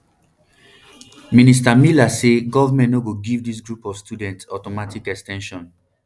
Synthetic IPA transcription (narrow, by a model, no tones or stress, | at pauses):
mĩnis̬tamilaseɡɔvamɛ̃nnoɡoɡivdis̬ɡɹupɔvstjudɛ̃ntsɔtɔmatikɛkstɛ̃nʃɔ̃n